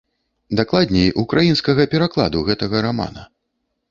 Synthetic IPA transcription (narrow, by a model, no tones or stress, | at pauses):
d̪aklˠad̪ʲnʲɛjʔukɾʔajinskɐɣɐpʲɛɾaklˠa̰d̪uɣɛt̪ɐɣɐɾama̰nɐ̰